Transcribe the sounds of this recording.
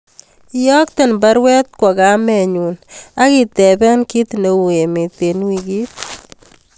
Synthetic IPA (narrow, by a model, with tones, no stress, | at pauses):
ɪɔ˦k̚t̪ɛ˨nba˦ɾwɛ˦t̪̚kwɔ˨ɡa˨˦mɛ˨ɲu˨na˦ɡɪ˨t̪ɛ˨bɛ˦nki˦t̪ne˨wu˨e˨me˨t̪e˨nwi˨ɡi˦t̚